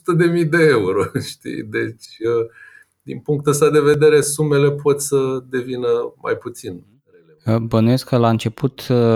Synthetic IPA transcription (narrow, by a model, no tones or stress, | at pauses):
ut̪əd̪e̞mijd̪e̞euɾo̞ʃt̪ḭjd̪e̞t͡ʃʲə | d̪inpuŋk̚t̪əst̪ad̪e̞ve̞d̪e̞ɾe̞sume̞le̞po̞t̪səd̪e̞vinəma̰jput̪sin | relebənujeskəlaɨnt͡ʃe̞pʰut̪